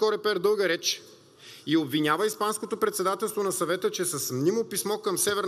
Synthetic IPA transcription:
ɔɾɛpɛɾd̪ɤlˠɡəɾɛt͡ʃ | iobvinʲavəispanskot̪opɾɛt̪sɛd̪at̪ɛlˠst̪vonɐsɐvɛt̪ət͡ʃɛsɐsmnimopismɔkɐmsɛvɛɾn

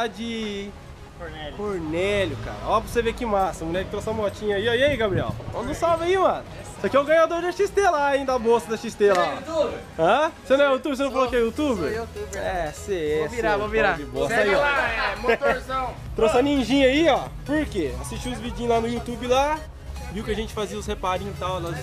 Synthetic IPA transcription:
lad͡ʒɪ | koɾnɛkoɾnɛʎʊka̰ɾɐ̰ɔvosevekɪmasɐmunɛkɪt̪ɾosɐmɔt͡ʃĩɲɐiɔiaiɡabɾiɛ̰wõnɐ̃w̃sawvaimɐ̃nʊ | sakiɛwɡɐ̃ɲad̪oɾd͡ʒaʃist̪elaĩd̪ɐbosɐd̪ɐʃist̪elaut̪ub | ɐ̃senɐ̃w̃ɛjut̪ubeɾs̬enɐ̃falokɪɛut̪ubeɾt̪uɛseɛviɾavoviɾad͡ʒɪbosɐiɔamt̪ɾsɐ̃w̃ | t̪ɾosɐnĩʒĩɲɐiɔpoɾkeasiʃt͡ʃiʊzvid͡ʒĩɲ̃lanʊjut̪ubɪla | viwʊkɪɐʒẽnt͡ʃɪ̥faziɐʊshepaɾĩɲt̪ãw̃nɔ

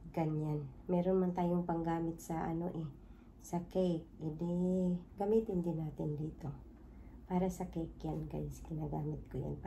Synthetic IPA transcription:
ɡɐɲanmɛːɾonmant̪aːjoŋpɐŋɡaːmɪt̪̚sɐʔɐ̰no̰ʔɛ | sɐkɛjk̚ɪd̪eɡɐmiːt̪ɪnd̪ɪnaːt̪ɪnd̪iːt̪o̞ | paːɾɐsɐkɛjkjanka̰jsɡɪnaɡaːmɪt̪̚koja̰np

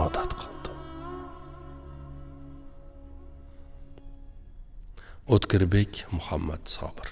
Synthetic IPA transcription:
ɑːd̪æt̪qʰəlˠd̪ɨ | ot̪kʰʲɪɾbekʲmʊhɑmːæ̰d̪sɑ̰ːbɨɾ

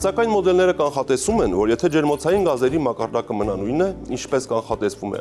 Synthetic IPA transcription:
sɑkɑjnmɔd̪ɛlnɛɾəkɑnχɑt̪ɛsumɛnvɔɾjɛt̪ʰɛd͡ʒɛɾmɔt͡sʰɑjinɡɑzɛɾimɑkɑɾd̪ɑkəmənɑnujnəint͡ʃʰpɛskɑnχɑt̪ɛsvumɛ̰

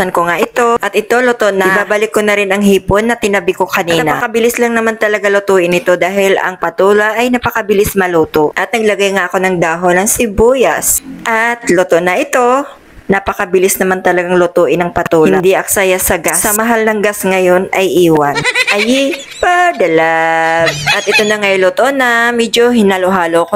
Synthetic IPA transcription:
ɐnkoŋaʔɪt̪o̞ʔɐt̪ʔɪt̪o̞lot̪oʔnɐɪbaːbɐlɪkːonɐɾɪnɐŋɦiːponːɐt̪ɪnɐbɪkokɐniːnɐpɐkɐbɪlɪslɐŋnɐmant̪ɐlɐɡalʊt̪uːʔɪnɪt̪o̞d̪aːɦɪlʔɐ̰ŋpɐt̪uːlɐʔɐjnɐpɐkɐbɪlɪsmɐluːt̪oʔɐt̪nɐɡ̚lɐɡajŋaʔɐko̞nɐŋd̪aːɦonɐŋsɪbuːjɐsʔɐt̪lot̪onɐʔɪt̪o̞ | nɐpɐkɐbɪlɪsnɐmant̪ɐlɐɡaŋlʊt̪uːʔɪnɐŋpɐuːlhɪɐd̪iʔɐksajasɐɡasɐmɐɦalnɐŋɡasŋɐjo̞nɐjʔiːwɐnʔɐji | pɐd̪ɛla | ʔɐt̪ʔɪt̪onɐŋɐjjlot̪oʔnɐmɛd͡ʒoɦɪnaloɦaːloɐko

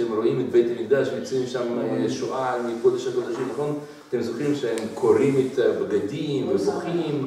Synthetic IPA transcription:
ɛmɾoimɪt̚beɪtamik̚d̪aʃmit͡simʃamʃuʔamɪkod̪əʃakɔd̪aʃimnaχon | atɛmzoχɾimʃehɛmkʰoɾimɪtbɡadimvɪzoχim

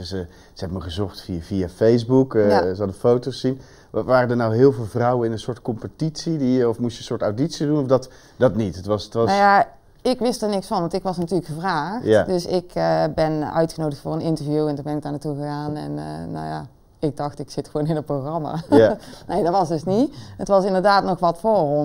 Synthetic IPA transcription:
sə | z̥əɛbəməχəzɔχtfiviafejsbukazəɦɑdəfowtosːin | ʋaːrədəɹnawɦɪːlˠvɪːlˠvrʌwənɪnənsʊːɹtkɔmpətitsidiɔfmustjənsʊːɹtawditsidunɔfdɑt | d̥ɑtnitətʋɑsətʋɑnaja | ɪkʋɪstəɹnɪksfɑnʋɑntɪkʋɑsnatyːləkxəvraːxdøsɪkbɛnœ̰ɥtxənowdəxtfʊːrənɪntəɹvjuɛntunbɛnɪk̚daːɹnatuɣəɣaːnɛ̰n̰na̰wja̰ | ɪɡ̚dɑxtɪksɪtxʋownɪndət̚proxrɑma̰nejdɑtʋɑsdɵsniətʋɑsɪndəɹdaːtnɔxʋɑtfoːrɔ

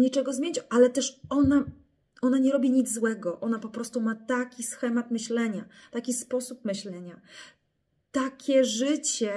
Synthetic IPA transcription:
ɲit͡ʂɛɡɔzmʲjeɲt͡ɕʔalɛt̪ɛʂɔna | ɔnaɲɛɾɔbʲiɲid̪zzwɛɡɔʔɔnapɔpɾɔst̪umat̪akʲisxɛmat̪mɘɕlɛɲa | t̪akʲispɔsup̚mɘɕlɛɲa | t̪akʲɛʐɘt͡ɕɛ

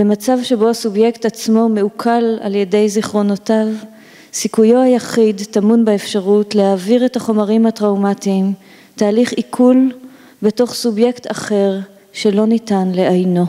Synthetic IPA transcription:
bemat͡savʃe̞bo̞asubje̞ktat͡smo̞me̞ukʰala̰lje̞de̞jziχʁo̞notav | sikujo̞ajaχidtamunbaefʃaʁutle̞haːviʁetaχo̞maʁimhatʁawmatiːm | taːliχikʰul | be̞to̞χsubje̞ktaχe̞ʁ | ʃe̞lo̞nitanle̞ajno̞

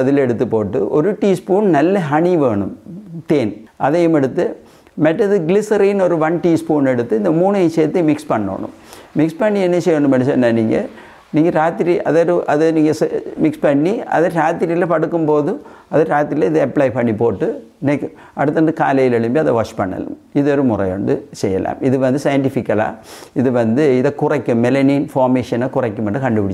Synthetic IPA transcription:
ɐðɪlɛɽɯt̪ːɯpːoːʈːɯ̰ʔɔɾɯʈiːspuːnnɐlːɐɦɐɳiʋeːɳɯ̰mt̪eːnʔɐðɛjɐmɛɽɯt̪ːɯ | mɐʈːɐðɯɡlɪsɐɾɐjɪnɔɾɯʋɐnʈiːspuːnɛɽɯt̪ːɯɪnd̪ɐmuːɳɐseːt̪ːɯmɪkspɐɳːo̰ːɳʊ̰̃m | mɪkspɐɳːiɛnːɐsɛjɾɐɳɯmɐnɛsɐnːaniːŋɡɐ̰ | niːŋɡɐɾaːt̪ːɪɾiʔɐðɐɾɯʔɐðɯniːŋɡɐsmɪkspɐɳːiɐ̰ðɐɾaːt̪ːɪɾilɐpɐɽɯkːɯmpoːðɯɐðɨɾaːt̪ːɪɾilɐɪðɨɐpːɭɐjpɐɳːipoːʈːɯ | nɛkː | ɐɽɯt̪ːɐnɖɯkaːlɐjɪlɛɭɯmbiɐðɐʋɐʂpɐɳːɐ̰lɯ̰m | ɪðɔɾɯmʊrɐ̰jɐ̰ɳɖɯsɛjːɐ̰la̰ːmɪðɯʋɐnd̪ɯsɐjɐɳʈifɪkːɐla̰ːɪðɯʋɐnd̪ɯɪðɐkʊrɐkʲːɯmːɛlɐniːnfoːɾmeːʂɐnɐkʊrɐkʲːɯmɛɳɖɯkɐɳɖɯpɪɽɪt͡ɕː

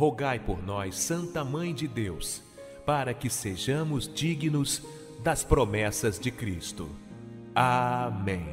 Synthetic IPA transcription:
hoɡajpoɾnɔjsɐ̃nt̪ɐmɐ̃j̃d͡ʒɪd̪ews | paɾɐkɪseʒɐ̃mʊzd͡ʒiɡnʊz | d̪ɐspɾomɛsɐzd͡ʒɪkɾist̪ʊ̰ | amẽj̃

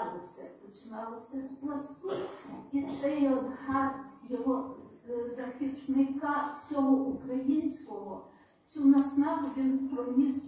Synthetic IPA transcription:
lˠɪwsʲɐpɔt͡ʃɪnɑlˠɪwsʲɐzblˠɔsʲkʊit̪sɛjɔd̪ɦɑt̪jɔɦɔ | zɐxisnɪkɑsʲɔɦɔʔukɾɐjinʲsʲkɔɦɔ | t͡s̪ʲunɐsnɑɦʊʋʲinpɾɔnʲis

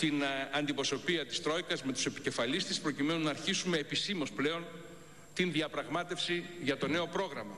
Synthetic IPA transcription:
t̪inɐnd̪ipɾo̞so̞piɐt̪i̥st̪ɾo̞ikɐzme̞t̪u̥se̞pi̥ce̞fɐlist̪espɾo̞cime̞nunɐːɾçisume̞ːpisimo̞sple̞o̞n | t̪inðiɐpɾɐɣmɐt̪e̞fsiʝɐt̪o̞ne̞o̞pɾo̞ɣɾɐmɐ

